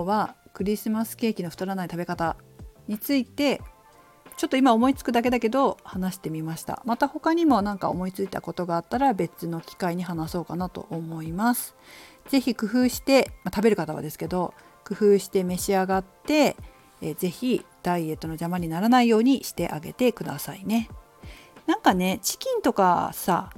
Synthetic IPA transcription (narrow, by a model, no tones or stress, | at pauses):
βakɯ̟ɾʲisɨmasɨ̥ke̞ːkʲino̞ɸ̟t̪aɾanait̪abe̞kat̪aɲ̟it͡sɨit̪e̞ | t͡ɕo̞t̪ːo̞imao̞mo̞it͡sɨ̥kɯ̟d̪ak̬e̞d̪ake̞d̪o̞hanaɕi̥t̪e̞mʲimaɕi̥t̪a̰mat̪aho̞kaɲ̟imo̞nãŋkaomo̞it͡sɨit̪a̰ko̞t̪o̞ɡaːt̪ːaɾabe̞t͡sɨno̞kʲi̥kaiɲ̟iɦanaso̞ːkanat̪o̞̰ʔomo̞imasɨ̥ | ze̞çikɯ̟ɸɯ̟ːɕi̥t̪e̞mat̪abe̞ɾɯ̟kat̪aβa̰d̪e̞sɨ̥ke̞d̪o̞ | kɯ̟ɸɯ̟ːɕi̥t̪e̞me̞ɕiaɡat̪ːe̞ | ze̞çid̪̥aie̞t̪ːo̞nod͡ʑamaɲ̟inaɾanaijo̞ːɲ̟iɕi̥t̪e̞ʔaɡe̞̰t̪e̞kɯ̟d̪a̰saine̞ | nãŋkane̞t͡ɕi̥kʲĩnt̪o̞ka̰sa̰